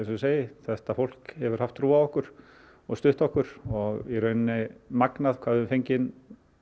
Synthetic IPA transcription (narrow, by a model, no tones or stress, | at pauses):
ɛnsseːjɪθɛht̪afowl̥khɛvʏɾ̥haft̪ʰːɾuːavɔhkʏɾ̥ | ɔɣst̪ʏht̪ɔhkʏɾ̥ɔɣiɾœɥnnɪmaknaðkʰvaːðʏmfejɲcɪn